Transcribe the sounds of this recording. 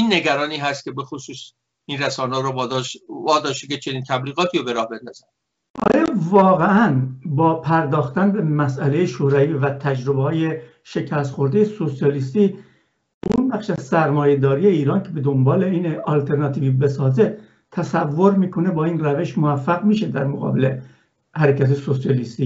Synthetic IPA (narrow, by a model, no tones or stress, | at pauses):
inːeɡæɾɒːniːɦæst̪kcʰe̞be̞xosuːs | inræsɒːnɾo | ɒːd̪ɒːʃt̪eket͡ʃʰeniːnt̪ʰæbliːɣɒːt̪ʰiːɾobeɾɒːhbend̪ɒzæn | ʔɒ̰ːjɒːvɒːɣeʔænbɒːpʰæɾd̪ɒːxt̪ænbe̞mæsælejeʃoɾɒviːvæt̪ʰæd͡ʒɾo̞behɒːje̞ | ʃe̞cʰæst̪xo̞ɾd̪ejeso̞sijɒːlist̪iː | unbæχʃæzsæɾmɒːje̞d̪ɒːɾiːjeiːɾɒːncʰe̞be̞d̪o̞mbɒːle̞iːnɒlt̪ʰe̞ɾnɒt̪ʰiːviːbe̞sɒːze̞ | t̪ʰæsævːo̞ɾmiːkʰo̞ne̞bɒːinræve̞ʃmovæfːæɣmiːʃed̪æɾmoɣɒ̰ːbe̞le̞̰ | hæɾecʰæt̪ʰːjesosijɒlist̪iː